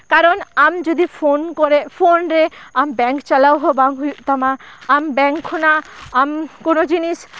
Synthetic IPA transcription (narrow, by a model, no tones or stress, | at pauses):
kaɾɔnamd͡ʒɔd̪ipʰonkɔɾɛʔpʰonɾɛambɛŋkt͡ʃalawɦɔbaŋɦujuʔt̪amaːmbɛŋkʰːɔnaːmkonod͡ʒinis